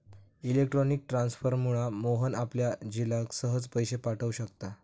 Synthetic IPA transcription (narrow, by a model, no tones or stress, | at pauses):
ilekʈɾɔnik̚ʈɾãnsfəɾmuɭamoɦənapljad͡ʑilãksəɦəd͡zpəjɕepaʈʰəʋuɕəkt̪a